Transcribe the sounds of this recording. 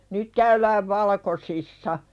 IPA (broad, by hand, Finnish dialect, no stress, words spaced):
nyt kæylæːʋ ʋɑlɑ̆kosisːɑ